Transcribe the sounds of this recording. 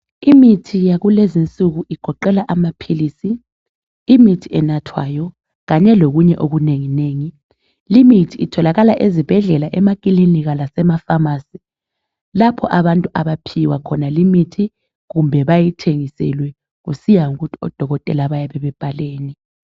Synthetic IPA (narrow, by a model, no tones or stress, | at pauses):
imitʰijaɣulezint͡sʼuɣuʔiɡ̥ʱɔǃɛlaʔamapʰilisiː | mitʰiɛnatʰwa̰jɔ | ɣaɲɛloɣuɲɛʔoɣuneŋineːŋi | limitʰiːtʰɔlaɣalaʔezib̥ʱɛɮɛlaʔɛmakʼiliniɣalasɛmafamasi | lapʰɔʔaβantʼuʔaβapʰiwakʰɔnalimitʰi | ɣumbʱɛβajitʰeŋisɛ̰lwɛ | ɣusijaŋuɣutʰi̥ɔ̰d̥ʱɔɣɔtʼɛlaβajaβɛβɛb̥ʱaleːni